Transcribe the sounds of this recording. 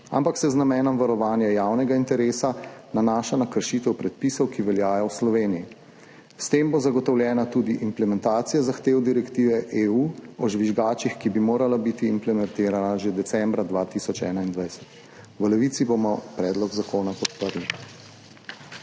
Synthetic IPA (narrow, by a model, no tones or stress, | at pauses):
a̰mpaksɛznamɛːnɔmʋaɾɔʋaːnjajaːwnɛɡaint̪ɛɾeːsananaːʃanakəɾʃit̪ɛwpɾɛt̪̚pisɔwkiʋɛljaːjɔwslɔʋeːniji | st̪eːmbozaɡɔt̪ɔwljɛːnat̪uːd̪iʔimplɛmɛnt̪aːt̪sijazaxt̪eːwd̪iɾɛkt̪iːʋɛʔeuːɔʒʋiʒɡaːt͡ʃixkibimoːɾalabit̪iːmplɛmɛnt̪eːɾanaʒed̪ɛsɛmbɾad̪ʋaːt̪isɔt͡ʃɛ̰ːnaind̪ʋajsɛ̥t̪ | wəlɛʋit̪sibomɔpɾɛːd̪lɔɡzakoːnakɔt̪pəɾli